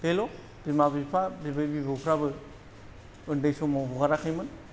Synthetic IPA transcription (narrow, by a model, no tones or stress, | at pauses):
telo | b̥imabipʰabibɯjbibɯpʰɾabɯ | ɯndajsomɔbɔɡaɾakʰɯjmɯn